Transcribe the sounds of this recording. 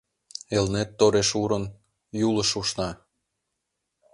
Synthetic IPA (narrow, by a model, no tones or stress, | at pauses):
elnet̪ːoɾeʃuɾən | juləʃuʃnɑ